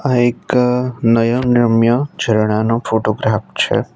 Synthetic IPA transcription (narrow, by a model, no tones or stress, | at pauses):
aeknəjənɪɾəmjəd͡ʒʱəɾɽ̃anõfoːʈoɡɾaːft͡ʃʰḛ